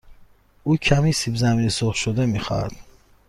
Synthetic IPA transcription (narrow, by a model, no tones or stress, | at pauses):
uːcʰæmisibzæminisoχʃod̪emixa̰ɾd̪̥